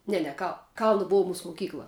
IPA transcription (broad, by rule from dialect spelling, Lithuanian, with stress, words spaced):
ˈnʲɛ nʲɛ kɐlˠ ˈkɐlˠnɐ ˈboːw ˈmuːs moːˈkʲiːklˠɐ